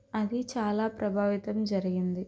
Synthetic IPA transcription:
ɐd̪it͡ʃaːlaːpɾɐbʱaːʋit̪ɐmd͡ʒɐɾiɡind̪i

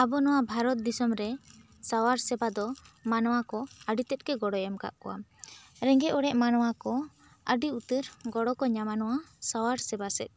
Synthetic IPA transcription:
abɔnɔwabʱaɾɔt̪̚d̪isɔmɾɛ | sawaɾsɛbad̪ɔmanɔwakɔəɖit̪ɛt̪̚ˀkɛɡɔɽɔjɛmka̰ʔkɔ̰wa̰ɾɛ̃ŋɡɛɔɽɛʔmanɔwakɔ | əɖiut̪əɾɡɔɽɔkɔɲamanɔwasawaɾsɛbasɛ̰t̪̚

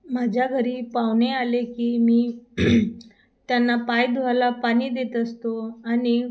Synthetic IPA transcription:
mad͡ʑʱjaɡʱəɾiːpaʋnealekiːmiː | t̪janːapajd̪ʱoalapaɽ̃iːd̪et̪əst̪oani

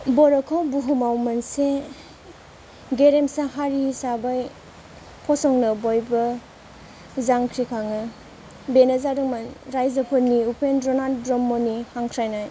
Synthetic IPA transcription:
bɔɾɔkʰawbuɦumawmanse | ɡeɾemsaɦaɾihisabaj | pʰɔsɔŋnɯbojbɐ | zaŋkʰɾikʰaŋɯ | benezaɾɯŋmanɾajzɐpʰɯnːiupʰendɾɔnaldɾɔmːɔnihaŋkʰɾajnaj

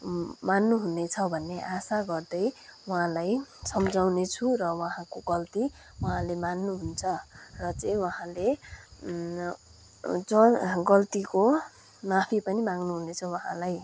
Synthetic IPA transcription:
manːuɦunet͡sʰʌbʱʌnːeʔasaɡʌrd̪ʌjwʌɦãlajsʌmd͡zawnet͡sʰurʌwʌɦãkoɡʌlt̪i | wʌɦãlemanːuɦunt͡sʰʌrʌt͡sʌĩwʌɦãle | d͡zʌɡʌlt̪iko | mapʰipʌnimaŋnuɦunet͡sʰʌwʌɦã̰laj

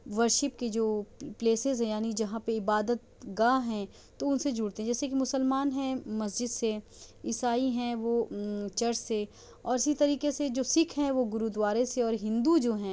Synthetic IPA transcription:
ʋɐɾʃɪp̚ked͡ʒoːpleːsɪzɦɛ̃jaːnid͡ʒɐɦãpeɪbaːd̪ət̪̚ɡaːɦɛ̃ | t̪oʊnsed͡ʒʊːɽt̪eɦɛ̃d͡ʒɛːsekimʊsəlmaːnɦɛ̃mɐsd͡ʒɪd̪seɪsaːiɦɛ̃ʋoːt͡ʃɐɾse | ɔːɾɪsit̪ɐɾiːkesed͡ʒoːsɪkʰɦɛ̃ʋoɡʊɾud̪ʋaːɾeseɔːɾɦɪ̃nd̪ud͡ʒoːɦɛ̃ː

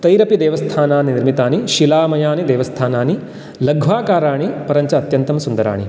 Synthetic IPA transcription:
t̪ɐjɾɐpid̪eːʋɐst̪ʰaːnaːniniɾmit̪aːniʃilaːmɐjaːnid̪eːʋɐst̪ʰaːnaːni | lɐɡʱʋaːkaːɾaːɳipɐɾɐɲt͡ʃɐɐt̪jɐnt̪ɐmsund̪ɐɾa̰ːɳḭ

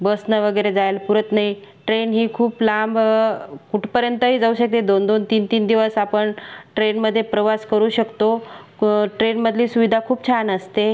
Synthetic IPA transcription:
bəsnəʋəɡəjɾed͡zajlpuɾət̪naɦiʈɾenɦiːkʰuːplambkuʈʰpəɾjənt̪əɦiːd͡zauːɕək̚t̪ed̪ond̪ont̪iːnt̪iːnd̪iʋəsapəɳʈɾenməd̪ʱːjepɾəʋaskəɾuːɕəkt̪o | ʈɾenməd̪ʱliːsuʋid̪ʱakʰuːp̚t͡ɕʰanəst̪e

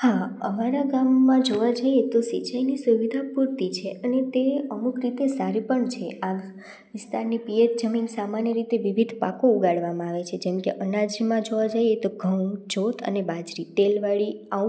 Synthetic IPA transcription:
haəmaɾaɡamːãd͡ʒoʋad͡ʒaiet̪osit͡ʃajnisuʋid̪ʱapuɾt̪it͡ʃʰeənet̪eəmukɾit̪esaɾipəɳt͡ʃʰea | ʋɪst̪aɾnipijət̪̚d͡ʒəminsamanjəɾit̪eʋiʋid̪ʱpakouɡaɭʋamãaʋet͡ʃʰed͡ʒɛmkeʔənad͡ʒmãd͡ʒoʋad͡ʒajet̪oɡʱəwd͡ʒot̪ʰə̰nebad͡ʒɾit̪elʋaɭia

